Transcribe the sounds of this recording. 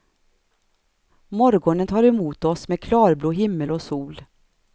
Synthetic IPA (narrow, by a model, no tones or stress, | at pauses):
mɔɾɡɔɳənt̪ʰɑːɾɛmuːt̪ɔsmeːkʰlɑːɾbluːɦɪmːəlɔsuːl